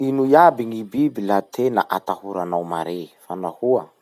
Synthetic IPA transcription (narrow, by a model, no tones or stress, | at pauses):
inujabiŋibibilat̪ʰenaʔat̪ahuɾanawma̰ɾefanahuə